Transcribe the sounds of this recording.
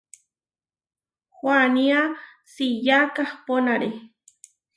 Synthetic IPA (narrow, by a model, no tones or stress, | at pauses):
xwania | sijakahponaɾe